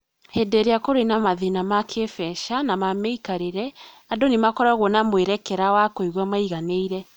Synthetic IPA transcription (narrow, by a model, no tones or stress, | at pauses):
hɛdɛɾeakoɾenamaðenamakʰefɛʃanamamɛikaɾeɾɛ | adonemakɔɾaɣwɔnamweɾɛkɛɾawakoiɣwamaiɣaneiɾɛ